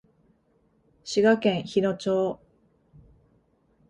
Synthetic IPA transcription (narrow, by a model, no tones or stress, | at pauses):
ɕiɡakẽ̞ɰ̃çino̞t͡ɕoː